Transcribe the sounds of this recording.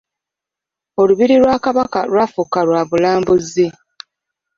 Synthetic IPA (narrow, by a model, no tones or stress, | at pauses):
o̞luβiɾiɾwaːkaβakalwaːfukalwaːβulaːmbuze